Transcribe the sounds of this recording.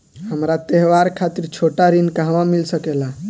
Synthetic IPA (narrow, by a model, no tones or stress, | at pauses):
ɦəmɾat̪eɦwaɾkʰat̪iɾt͡ʃʰoʈaɾinkaɦʋãmilsəkela